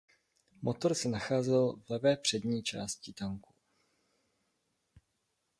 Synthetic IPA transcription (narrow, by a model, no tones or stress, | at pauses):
mʔo̞t̪o̞ɾsɛnaxaːzɛlvlɛvɛːpr̝̥ɛdɲiːt͡ʃaːscɪt̪aŋku̥